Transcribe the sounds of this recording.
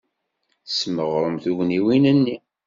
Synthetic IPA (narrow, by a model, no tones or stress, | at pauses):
sməʁɾˤəmθuʝniwinənːi